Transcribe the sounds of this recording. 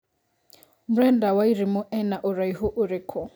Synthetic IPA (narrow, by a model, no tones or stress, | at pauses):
m̩ɾɛndawaiɾimʊʔɛnaʔʊɾaiɦʊʔʊɾɪkʰɔ